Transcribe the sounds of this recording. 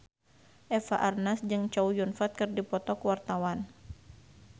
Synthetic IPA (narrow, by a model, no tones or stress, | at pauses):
ʔɛfaʔarnasd͡ʒɨŋt͡ʃaujunfat̪̚kɨrdipɔt̪ɔkwart̪awan